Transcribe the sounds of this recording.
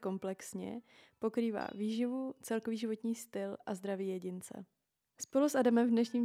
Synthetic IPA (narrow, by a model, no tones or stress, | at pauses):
ko̞mplɛksɲɛ̰po̞kɾiːva̰ːviːʒɪvut͡sɛlko̞viːʒɪvo̞t̪ɲiːst̪ɪlʔazd̪ɾaviːjɛɟɪnt͡sɛ̰ | spo̞lusʔadamɛɱvdnɛʃɲiːm